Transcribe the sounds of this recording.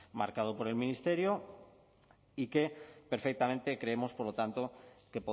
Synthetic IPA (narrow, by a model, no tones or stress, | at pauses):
ma̰ɾkað̞opoɾe̞lmĩnist̪eɾjo | ikepeɾfek̚t̪ament̪ekɾeemospoɾlot̪ant̪okepo